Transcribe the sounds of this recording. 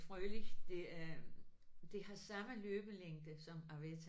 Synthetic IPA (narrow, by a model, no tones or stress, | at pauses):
fʁœːlid̥e | d̥e̝hɑ̈sɑ̈məløːb̥əleŋ̰d̥əsɒ̽mɑ̈ʋet͡sʰ